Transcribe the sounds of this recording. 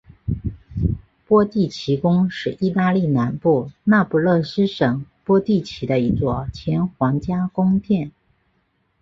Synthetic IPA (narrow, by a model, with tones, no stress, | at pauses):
pwɔ˥t̪i˥˩t͡ɕʰi˧˥kʊ˥ŋʂɻ̩˥˩ʔi˥˧t̪a˥˧li˥˩na˧˥npu˥˩na˥˩pu˧˥˩lɤ˥˩sɻ̩˥ʂɤ˨˩ŋpwɔ˥t̪i˥˩t͡ɕʰi˧˥d̪ə˧i˧˥t͡swɔ˥˩t͡ɕʰjɛ˧˥nxwɑ˧˥ŋt͡ɕja˥kʊ˥ŋt̪ʰjɛ˥˩n